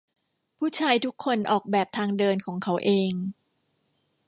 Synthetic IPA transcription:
pʰuː˥˩t͡ɕʰaː˧jt̪ʰu˦˥kʰːo˧nʔɔː˨˩k̚bɛː˨˩p̚t̪ʰaː˧ŋdɤː˧nkʰɔː˩˦ŋkʰa˦˥wʔeː˧ŋ

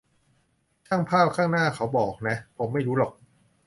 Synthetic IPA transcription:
t͡ɕʰaː˥˩ŋpʰaː˥˩p̚kʰaː˥˩ŋnaː˥˩kʰa˦˥wbɔː˨˩k̚na˦˥pʰo˩˦mːa˥˩jɾuː˦˥lɔ˨˩k̚

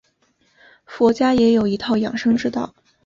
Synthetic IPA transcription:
fwɔ˧˥t͡ɕja˥jɛ˧˥jo˨˩ʊi˧˥t̪ʰɑ˥˩ʊjɑ̰˨˩ŋʂɤ˥ŋʈ͡ʂɻ̩˥t̪ɑ˥˩ʊ

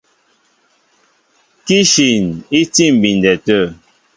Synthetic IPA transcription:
ki˦ʃi˨ni˦ti˦˨m̩˨bi˨n˨dɛ˨tə˦˨

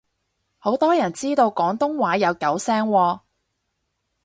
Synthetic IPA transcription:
ho˨˥wt̪ɔː˥jɐ˨˩nt͡siː˥t̪o˧wkɔː˨˥ŋt̪ʊ˥ŋwaː˨˥jɐ˨˧wkɐ˨˥wsɛː˥ŋwɔː˧

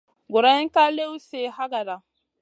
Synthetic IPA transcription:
ɡo˨ɾa˦ĩ˦ŋ˦ka˦le˦u˦se˨ha˦ɡa˨da˨

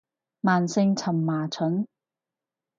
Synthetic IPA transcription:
maː˨nsɪ˧ŋt͡sʰɐ˨˩mːaː˨˩t͡sʰɵ˨˥n

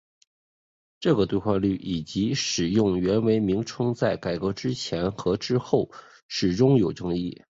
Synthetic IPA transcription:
ʈ͡ʂɤ˥˩ɡə˩t̪we˥˧ɪxwa˥˧ly˥˩ʔi˨˩t͡ɕi˧˥ʂɻ̩˨˩jʊ˥˩ŋɥɛ˧˥nwe˧˥ɪmi˧˥ŋʈ͡ʂʰɤ˥ŋt͡sa˥˩ɪka˨˩ɪkɤ˧˥ʈ͡ʂɻ̩˥t͡ɕʰjɛ˧˥nxɤ˧˥ʈ͡ʂɻ̩˥xo˥˩ʊ | ʂɻ̩˨˩ʈ͡ʂʊ˥ŋjo˨˩ʊʈ͡ʂɤ˥ŋḭ˥˩

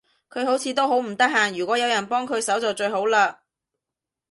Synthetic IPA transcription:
kʰɵ˨˧ɥɦo˨˥wt͡sʰiː˧t̪o˥wɦo˨˥wm̩˨˩t̪ɐ˥k̚ɦaː˨˩ŋjyː˨kʷɔː˨˥jɐ˨˧wjɐ˨˩npɔː˥ŋkʰɵ˨˧ɥsɐ˨˥wt͡sɔː˨t͡ʃɵ˧ɥɦo˨˥wlaː˧

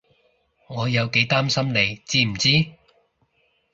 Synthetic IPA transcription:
ŋɔː˨˧jɐ˨˧wke˨˥jt̪aː˥msɐ˥mne˨˧jt͡siː˥m̩˨˩t͡siː˥

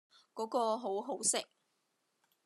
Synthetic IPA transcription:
kɔː˨˥kɔː˧ɦo˨˥wɦo˨˥wsɪ˨k̚

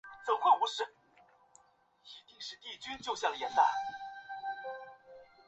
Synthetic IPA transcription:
t͡so˨˩ʊxwe˥˩u˧˥ʂɻ̩˧˥ | i˧˥t̪i˥˧ŋʂɻ̩˥˧t̪i˥˩t͡ɕy˥nt͡ɕjo˥˧ʊɕjɑ˥˩lə˩jɛ˨˧˥nla̰˥˩n

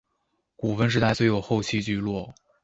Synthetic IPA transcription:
ku˨˩fə˥nʂɻ̩˥t̪a˥˩ɪswɔ˧˥jo˨˩ʊxo˥˧ʊt͡ɕʰi˥˧t͡ɕy˥˧lwɔ˥˩

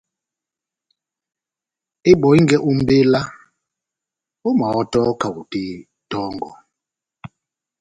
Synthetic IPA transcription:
i˦ɓɔ˨i˦ŋɡɛ˦ʔu˦m˦be˦la˦ | u˦ma˨ɔ˦tɔ˦ka˨u˨ti˦ | tɔ˦ŋɡ̰ɔ˨

